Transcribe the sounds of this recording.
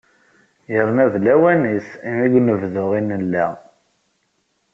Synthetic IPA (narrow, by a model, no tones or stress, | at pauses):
jəɾˤnæðlæwænisimiɡʷnəvðʊʁinəlːæ